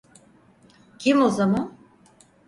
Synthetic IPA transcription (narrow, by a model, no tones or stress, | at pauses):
cʰimo̞zaman